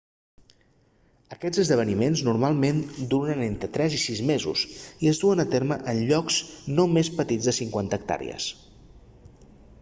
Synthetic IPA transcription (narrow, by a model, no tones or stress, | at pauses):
əkɛd͡zəzðəβ̞ənimenznurmalˠmend̪uɾənent̪ɾət̪ɾɛzisizmezṵziəzðuənət̪eɾməʔənʎɔkznomespət̪id͡zðəsiŋkwant̪əːk̚t̪a̰ɾḭə̰s